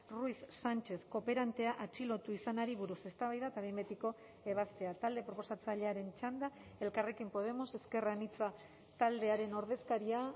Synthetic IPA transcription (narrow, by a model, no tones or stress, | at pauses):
ruisːant͡ʃe̞sko̞pe̞ɾant̪e̞aʔat͡ʃilo̞t̪uisanaɾiβuɾuse̞st̪aβajðaet̪aβejmbet̪iko̞ | e̞β̞ast̪e̞at̪ald̪e̞pɾo̞po̞sat͡saʎe̞aɾe̞nt͡ʃand̪ae̞lkare̞kimpo̞ð̞e̞moseske̞ranit͡sa | t̪ald̪e̞aɾe̞no̞ɾð̞e̞skaɾia